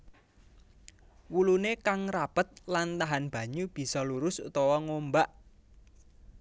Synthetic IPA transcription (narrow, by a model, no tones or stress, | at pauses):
wulunekaŋrapət̪̚lant̪aɦanb̥ä̤ɲub̥i̤sɔluɾʊsṵt̪ɔwɔŋombaʔ